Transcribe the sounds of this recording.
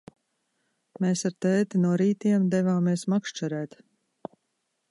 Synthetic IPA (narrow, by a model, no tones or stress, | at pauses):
meːsaɾt̪ɛːt̪inuɔɾiːt̪iɛmd̪ɛvaːmiɛsmakʃt͡ʃɛɾæːt̪